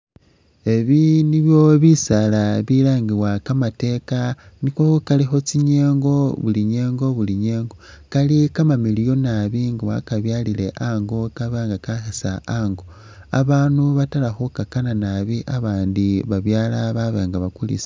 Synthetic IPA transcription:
e̞βiniβjo̞βisalaβilaːŋɡiwakamate̞kanikoukalixo̞t͡siɲeːŋɡo̞βuliɲe̞ːŋɡo̞βuliɲe̞ːŋɡo̞kalikamamilijo̞naβiŋɡawa̰kaβjalile̞ʔaŋɡo̞kaβaːŋɡakaxesa̰aŋɡo | a̰βaːnuβatalaxukakananaβiʔaβaːndiβaβjaːlaβaβaːŋɡaβakulḭse̥

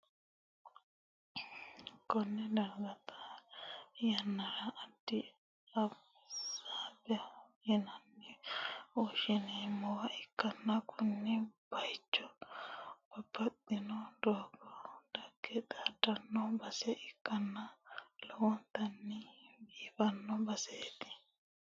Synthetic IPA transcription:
kɔnːɛd̪ɐɾɡɐt̪ʰɐ̥ | jɐnːɐɾɐʔːd̪̥ːɪ | ɐb | saːbɛɐjɛnɐnːɛ | ɔʃɪnemɔwɐʔɪkːɐnːɐkʰʊnːɛb̥ɐjt͡ʃːɔ | ɡ̥ɔbːɐt̪ʼːɪnɔd̪oːɡɔd̪̥ɐɡ̥ːɛt̪ʼaːd̪ɐnːɔbɐsɛʔɪkːɐnːɐlɔwɔnt̪ɐnːɪbiːbɐnːɔbɐseːt̪ɪ̥

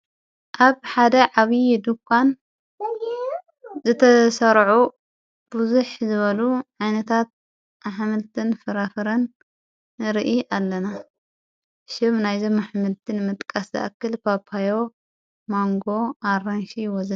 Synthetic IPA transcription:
ʔaβħad̪ɐʕaβijd̪ukʷʰːan | zɨt̪ʰɐsɐɾʕu | b̥uzuħzɨβɐluʕajnɐt̪ʰat̪̚ | maħmɨlt̪ʰɨnfɨɾafɨɾɐn | ɨɾʔiʔalːɐna | ʃɪβnajzomːaħmɨlt̪ʰɨnmɨt̪ʼkʼɐszɐ̰ʔakːɨlpʰapʰajo̞ | maŋɡo̞ʔaranʃijwɔzɐ

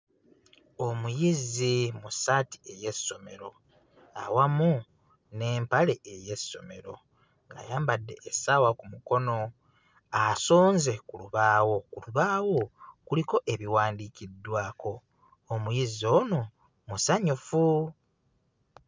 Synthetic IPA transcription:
omujizimusati̥e̞je̞so̞me̞̰ɾo̞̰ | a̰wamu | ne̞ːmpale̞eje̞sːo̞̰me̞̰ɾo̞̰ | ŋɡa̰jaːmbadːe̞ʔːsawakumuko̞no̞ | asoːnze̞kuluβaːwo̞kuluβaːwo̞kuliko̞ʔe̞βiwaːndicidːwaːko̞ː | mujizio̞ːno̞ | musaɲufu

